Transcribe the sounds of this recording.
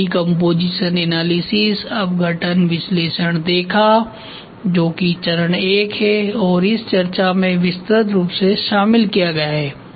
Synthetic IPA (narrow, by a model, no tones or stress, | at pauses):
ikɔ̃mpoːd͡ʒiːʃənɛːnaːlisɪsɐbɡʱɐʈənʋɪsleːʃəɽ̃d̪eːkʰa | d͡ʒoːkit͡ʃɐɾəɽ̃eːkɦɛɔːɾɪst͡ʃɐɾt͡ʃamẽʋɪst̪ɾət̪ɾuːpseʃaːmɪlkijaɡɐjaɦɛː